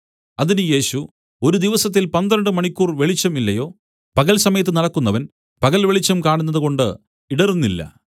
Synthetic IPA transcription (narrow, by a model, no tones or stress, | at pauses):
ɐðinɨje̞ːɕu | o̞ɾud̪iʋɐsɐt̪̬ːilpɐnd̪ɾɐɳɖɨmɐɳikʲːuːrʋe̞ɭit͡ɕːɐmilːɐjo̞ː | pɐɣɐlsɐmɐjɐt̪̬ːɨnɐɽɐkːunːɐʋɐn | pɐɣɐlʋeɭit͡ɕːɐmkaːɳunːɐðɨko̞ɳɖɨ | iɽɐrunːilːɐ̰